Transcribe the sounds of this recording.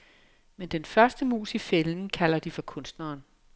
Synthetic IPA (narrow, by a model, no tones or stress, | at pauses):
mend̥enfɶɐsd̥əmṵːsifelnn̩kʰæl̰ɐd̥ifɒ̽kʰɔ̽nsd̥nɐːn